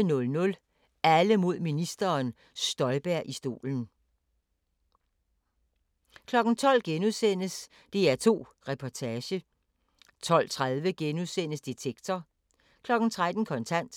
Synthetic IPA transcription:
nɔ̽lnɔ̽l | æləmo̝ð̞̰ˠminisd̥ɐːn | sd̥ɒ̽ɪb̥æɐ̰ʔisd̥o̝̰ːln̩ | kʰlɒ̽ɡ̥n̩t͡sʰɒ̽l̰ɡ̥enuðˠsen̰əs | d̥e̝æɐt͡sʰo̝̰ː | ʁɛpʰɒt͡sʰæːɕə | t͡sʰɒ̽l̰t͡sʰʁað̞ˠʋəɡ̥enuðˠsen̰əsd̥et͡sʰeɡ̥t͡sʰɒ | kʰlɒ̽ɡ̥n̩t͡sʰʁad̥n̩kʰɒ̽nt͡sʰæn̰d̥

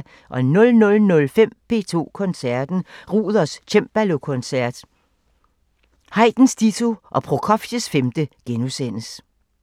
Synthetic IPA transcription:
ʔɒ̽nɔ̽lnɔ̽lnɔ̽lfem̰pʰe̝̰ːt͡sʰo̝̰ːkʰɔ̽nsæɐd̥n̩ʁuːð̞ˠɐst͡ɕʰemb̥ælo̝kʰɔ̽nsæɐ̰d̥ | hɑ̈ɪd̥n̩sd̥it͡sʰoʔɒ̽pʰʁokʰɒ̽fɕəsfemd̥əɡ̥enusen̰əs

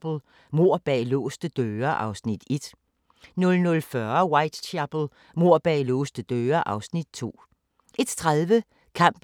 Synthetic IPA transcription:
b̥l̩ˠ | mo̝ɐ̰b̥ɛ̰ːlɔ̰ːsd̥əd̥øːɐʔɑ̈ʊsnid̥e̝d̥ | nɔ̽lnɔ̽lfɶɐwɑ̈ɪd̥t͡ɕʰæb̥l̩ˠ | mo̝ɐ̰b̥ɛ̰ːlɔ̰ːsd̥əd̥øːɐʔɑ̈ʊsnid̥t͡sʰo̝̰ː | ʔe̝d̥t͡sʰʁaðˠʋə | kʰɑ̈m̰b̥

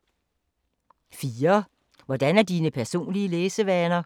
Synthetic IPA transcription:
fiːɐ | ʋɒd̥ænæɐd̥iːnəpʰæɐso̝̰ːnliəleːsəʋænɐ

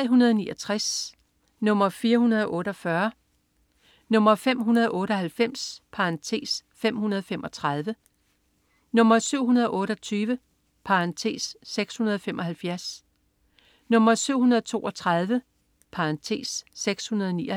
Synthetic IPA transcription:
ɦunɐðˠnḭːʔɒt͡sʰʁas | nɔ̽m̰ɐfiːɐhunɐð̞ˠɒ̽ʔɔ̽ːɾəɒ̽fɶɐ | nɔ̽m̰ɐfem̰ɦunɐð̞ˠʔɔ̽ːɾəɒ̽hælfem̰spʰɑ̈ʁɑ̈nt͡sʰe̝̰ːsfem̰hunɐð̞ˠfem̰ɒ̽t͡sʰʁɑð̞ˠʋə | nɔ̽m̰ɐsyʊ̰ɦunɐð̞ˠɒʔɔ̽ːɾɒ̽t͡sʰyːʋə | pʰɑ̈ʁɑnt͡sʰe̝̰ːsːeɡ̥shunɐð̞ˠɒ̽femʔɒ̽hælfjæɐs | nɔ̽m̰ɐsyʊ̰hunɐðˠɒt͡sʰo̝̰ːʔɒ̽t͡sʰʁɑð̞ˠʋə | pʰɑ̈ʁɑ̈nt͡sʰe̝̰ːsːeɡ̥shunɐð̞ˠɒni

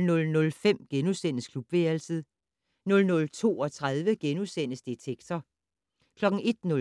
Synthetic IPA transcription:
nɔ̽lnɔ̽lfem̰ɡ̥enusen̰əskʰlub̥ʋeːɐlsiðˠ | nɔ̽lnɔ̽lt͡sʰo̝̰ːɒ̽t͡sʰʁað̞ˠʋəɡ̥enusen̰əsd̥et͡sʰeɡ̥t͡sʰɒ | kʰlɒ̽ɡ̥̩e̝d̥nɔ̽

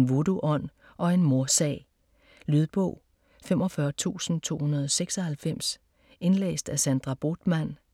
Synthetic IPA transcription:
nʋoduʔɒ̽n̰ | ʔɒ̽e̝nmo̝ɐsɛ̰ɪ | lyðˠb̥ɔ̽ʊ̰ | femɒ̽fɶɐt͡sʰṵːsn̩t͡sʰo̝̰ːhunɐð̞ˠɒ̽seɡ̥sɒ̽hælfem̰s | e̝nlḛːsd̥æsænd̥ʁɑ̈b̥o̝d̥mæn̰

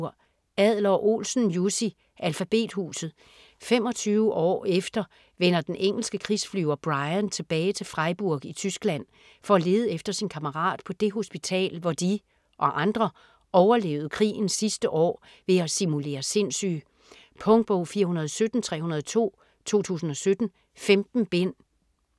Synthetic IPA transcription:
ɐ̰ | æð̰ˠlɐɒʔo̝̰ːlsn̩jusi | ʔælfæb̥e̝̰ːd̥huːsð̩ˠ | fem̰ɒ̽t͡sʰyːʊəʔɒ̰ːefd̥ɐ | ʋenɐd̥enʔeŋ̰l̩sɡ̥əkʰʁisflyʊɐb̥ʁɑ̈ɪnt͡sʰe̝b̥ɛːɪt͡sʰe̝fʁɑ̈ɪb̥uɐɡ̥it͡sʰysɡ̥læn̰ | fɒ̽ːle̝ːð̞ˠəefd̥ɐsinkʰɑməʁɑ̰̈ːd̥̚pʰɒ̽d̥e̝ɦo̝sb̥it͡sʰɛ̰ːlʋɒd̥i | ʔɒ̽ʔɑ̈nd̥ʁɐ | ʔɒʊɐle̝̰ʊð̩ˠkʰʁḭːn̩sisd̥əʔɒ̰ː | ʋe̝æsimule̝̰ːɐse̝n̰sy̰ | pʰɔ̽ŋ̚b̥oʊfiːɐhunɐð̞ˠɒsød̥n̩t͡sʰʁɛ̰ːhunɐð̞ˠt͡sʰo̝̰ː | t͡sʰo̝̰ːt͡sʰṵːsn̩ɒ̽sød̥n̩ | femd̥n̩b̥en̰

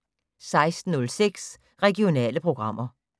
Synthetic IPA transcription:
sɑ̈ɪsd̥n̩ːɔ̽lseɡ̥s | ʁɛɡio̝nɛ̰ːləpʰʁo̝ɡ̥ʁɑ̈m̰ʔɐ

